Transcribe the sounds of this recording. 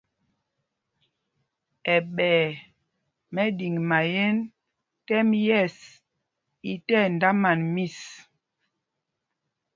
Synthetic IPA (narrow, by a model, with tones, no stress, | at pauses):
ɛ˨ɓɛː˨ | mɛ˦di˨ŋma˨jɛ˦n | tɛ˦mjɛ˦˨s | i˨tɛ˦˨n˨da˦ma˨nmi˦˨s